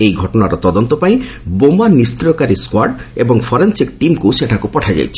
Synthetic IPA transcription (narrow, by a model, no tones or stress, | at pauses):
ejɡʱɔʈɔnaɾɔt̪ɔd̪ont̪ɔpaj | bomaniskɾɔkaɾiskwaɾɖebɔŋfʰɔɾensik̚ʈimkuseʈʰakupɔʈʰad͡ʒa̰jt͡ʃʰi̥